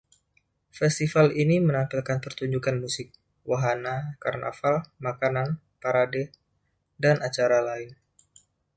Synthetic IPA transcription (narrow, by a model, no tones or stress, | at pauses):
fɛst̪ifalinimənampilkanpərt̪uɲd͡ʒukanmusɪk̚ | waɦanakarnʔa̰falmakanan | paɾadɛ | danʔat͡ʃaɾalaɪn